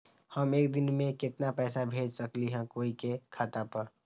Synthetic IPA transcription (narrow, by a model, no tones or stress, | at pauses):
həmeːkd̪ɪnmẽkɪt̪napɛːsabʱeːd͡ʒsəkliɦɛ̃koːikekʰaːt̪apəɾ